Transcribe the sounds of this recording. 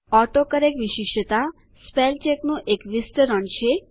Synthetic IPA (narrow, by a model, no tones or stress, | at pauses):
ɔʈokəɾekʋiʃiʃət̪a | spelt͡ʃeknũʔekʋisʈəɾəɳt͡ʃʰe